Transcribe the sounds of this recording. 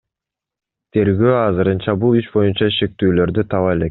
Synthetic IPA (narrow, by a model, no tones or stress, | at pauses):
t̪ʰe̞ɾɡøːɑzɯɾɯnt͡ʃɑbulˠyt͡ʃbo̞junt͡ʃɑʃe̞k̚t̪yːlø̞ɾd̪yt̪ʰɑβɑele̞k